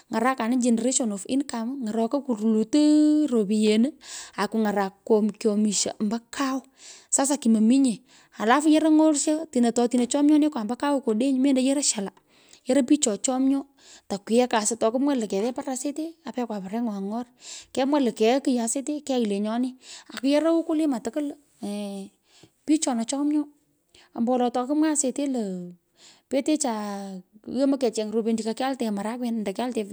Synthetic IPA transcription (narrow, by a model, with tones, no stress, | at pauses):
ŋa˨ɾa˦ka˨nɪ˦d͡ʒe˨ne˨ɾe˦ʃɔ˨nɔ˨fɪ̰˦nka˨m˦ŋa˨ɾɔ˨ko˦ku˨ɾu˨lu˨tə˦ɾo˨pi˨je˨nə˦a˨ku˨ŋa˨ɾa˨kːo˨mkjɔ˨mi˨ʃa̰˨mba˦kʰa˦wʊ˦ | sa˦s̬a˨ki˨ma˨mi˦ɲe˨ | a˨la˦fu˦je˦ɾa˦ŋo˦rʃa˦ti˨na˨tɔ˨˧ti˨ne˨t͡ʃɔ˦mɲɔ˦nɪ˦kwa˨mba˦ka˦wko˨de˦ɲ˦me˦nda˦je˦ɾa˦ʃa˨la˨ | je˦ɾɐ˦pi˦t͡ʃɔ˨t͡ʃɔ˦mɲɔ˦ | ta˨kwɪ˨ɛ˦ka˨sɪ˨tɔ˨kɨ˦mwa˦lɨ˨kɛ˨ðɛ˦pa˦ra˨se˦te˦a˨pɛ˦kwa˨pa˨ɾɛ˦ŋwa˨ŋɔ˦rkɛ˦mwa˦lə˨kɛ˨˦kɨ˨ja˨se˦te˦kɛ˦i˨le˨ɲɔ˦nɪ˦a˨kɨ˦jɛ˦ɾa˦wʊ˦kʊ˦lɪ˦ma˨tɨ˨kɨ˦l | pi˦t͡ʃɔ˨na˨t͡ʃɔ˦mɲɔ˦ | a˨mbɔ˨lɔ˨tɔ˨˧kɨ˦mwa˦se˨te˦lə˨ | pe˦te˦t͡ʃa˨ | je˦ma˦kɛ˨t͡ʃɛ˨ŋɾo˨pe˨nd͡ʒi˨ka˨ka˦ltɛ˨ma˨ɾa˦kwɛ˨˦nnda˨ka˦ltɛ˨